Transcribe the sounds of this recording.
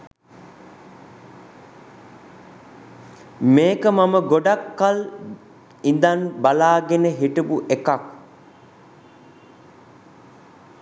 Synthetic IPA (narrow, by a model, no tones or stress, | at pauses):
meːkəmaməɡoɖakːal | ind̪anbalaːɡenəɦiʈəbuʔekak